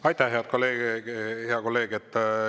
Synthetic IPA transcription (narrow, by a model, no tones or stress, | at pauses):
ɑjt̪ːˑæhɦe̞ɑd̪̥̚ko̞lːe̞ːɡhe̞ɑko̞lːe̞ːɡet̪ːˑ